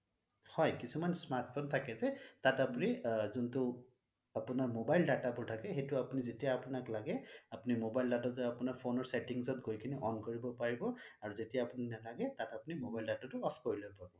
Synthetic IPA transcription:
hɔjkisumansmaɹtpʰontʰakɛzɛtatapʊnizuntʊ | apʊnaɹmobajldatabʊɹtʰakɛxejtʊapunizetijaːpʊnaklaɡɛapunimobajldatazɛapʊnaɹpʰonɔɹsɛtiŋzɔtɡojkʰiniʔɔnkoɹibɔpaɹibɔaɹuzetijaːpʊninalaɡɛtatapʊnimobajldatatʊɔpʰkoɹilojpabɔ

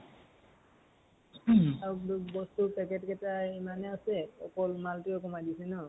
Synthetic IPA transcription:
adubɔstupɛkɛtkɛtaimanɛasɛɔ̰kɔlmaltiɔkɔmadisɛnɔ

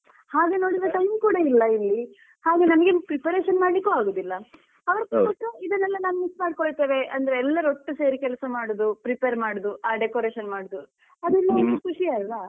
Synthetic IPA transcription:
haːɡe̞no̞ːɽiɾɐt̪ɐjkuːɽɐilːɐilːi | haːɡe̞nɐmɐɡepɾipeɾeːʃɐnmaːɽlikːuːaːɡoːd̪ilːɐ | ɐʋɐɾɐpɐkoʈːuid̪ɐnːɛlːɐnaːnumismaːɖkoɭt̪eːʋe̞ʔɐnd̪ɐɾeːlːɐɾoʈːuse̞ːɾikɛlɐsɐmaːɽod̪upɾipeɾmaːɽud̪uʔaːɖekoːɾeːʃɐnmaːɽod̪u | ɐd̪ɛlːɐenukʰuʂialʋa

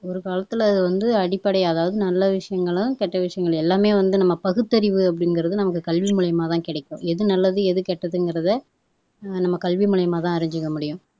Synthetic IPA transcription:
ɔɾɯkaːlɐt̪ːɯlɐɐðɯʋɐnd̪ɯɐɽɪpːɐɽɐɪɐðaːʋɐðɯnɐlːɐʋɪʂɐjɐŋɡɐɭʊ̃kɛʈːɐʋɪʂɐjɐŋɡɐɭɛlːaːmeːʋɐnd̪ɯnɐmːɐpɐɣɯt̪ːɐɾɪʋɯɐpːɐɽɪnɡɪɾɐðɯnɐmɐkːɯkɐlʋimʊɭɐjɐmaːt̪ãːkɪɽɐɪkːõ̰ːɛðɯnɐlːɐðɯɛðɯkɛʈːɐðɯnɡɪɾɐðɐ | nɐmːɐkɐlʋimʊɭɐjɐmaːt̪ãːɐɾɪɲd͡ʒɪkːɐmʊɽɪjʊ̃

